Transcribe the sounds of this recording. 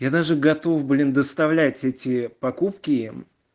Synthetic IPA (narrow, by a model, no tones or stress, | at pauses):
jad̪aʐɨɡɐt̪o̞fblʲind̪əst̪ɐvlʲætʲɛtʲɪpɐkupkʲɪim